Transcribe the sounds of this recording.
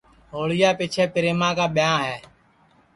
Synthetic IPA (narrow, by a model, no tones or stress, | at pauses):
ɦoːɭɪjaːpiːt͡ʃʰɛːpɪɾeːmãːkaːɓɪjãːɦɛː